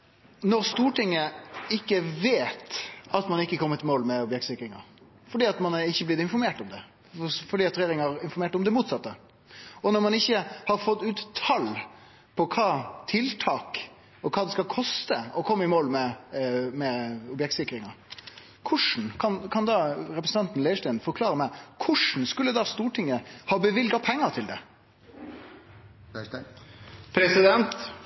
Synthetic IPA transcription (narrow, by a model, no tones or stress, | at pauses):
nɔɾst̪uːʈʰɪŋːəɪkːəʋeːt̪ɑt̪mɑnɪkːəkʰɔmːət̪ɪmoːlmɛɔbjɛk̚t̪sɪkɾɪŋɑ̰ɾ | fɔɖiːɑt̪mɑnɪçːəblɪd̪ɪnfɔɾmeːʈɔmd̪ɛ | fɔɖiːɑt̪ɾɛjeːɾɪŋɑɾɪnfɔɾmeːʈɔmd̪ɛmuːt̪sɑt̪ːə | ɔnɔɾmɑnɪçːəhɑɾfɔt̪ːʉːt̪ʰːɑl | pʰɔkʰɑːt̪ʰɪlt̪ʰɑːk | ɔkʰɑːd̪ɛskɑlkʰɔst̪əɔkʰɔmːəɪmoːlmɛ | mɛɔbjɛk̚t̪sɪkːɾɪŋɑɾ | kʰʊʂn̩kʰɑnkʰɑnd̪ɑːɾɛpɾəsn̩t̪ɑnt̪n̩leːəʂʈɛːnfɔɾkʰlɑːɾəmɛkʰʊʂn̩skʉlːəd̪ɑst̪uːʈʰɪŋːəhɑːbəʋɪlɡɑpʰɛŋːəɾt̪ʰɪld̪ɛ̰ | pʰɾɛsɪd̪ɛnt̪